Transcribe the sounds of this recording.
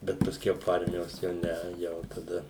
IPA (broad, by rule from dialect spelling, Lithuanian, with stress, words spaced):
ˈbʲɛt pɐˈsʲkʲɛʊ poː ˈɐrʲmʲɪjoːs ˈjɛʊ ˈnʲɛ ˈjɛʊ tɐˈdɐ